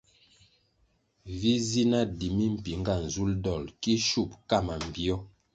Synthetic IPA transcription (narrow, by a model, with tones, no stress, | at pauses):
vi˦zi˦na˦di˨mi˦m̩˨pi˨ŋ˦ɡa˦˨n̩˨zu˦ldɔ˦˨lki˦ʃu˦˨p̚ka˦˨ma˨m˨bi˦ɔ˦